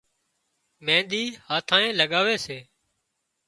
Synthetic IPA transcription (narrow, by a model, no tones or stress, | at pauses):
mẽːd̪iːhaːt̪ʰãːẽːləɠaːʋeːseː